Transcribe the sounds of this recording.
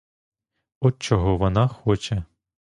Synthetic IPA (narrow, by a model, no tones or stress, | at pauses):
ɔt͡ʃɔɦɔʋɔnɑxɔt͡ʃɛ